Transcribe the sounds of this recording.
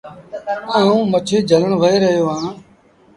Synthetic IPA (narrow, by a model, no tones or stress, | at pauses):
ãːũːmət͡ʃʰeːd͡ʒʱələɳʋəɦeːɾəɦjoːɦãː